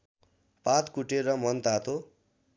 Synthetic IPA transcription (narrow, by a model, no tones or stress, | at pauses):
pat̪kuʈeɾʌmʌnt̪at̪ʰo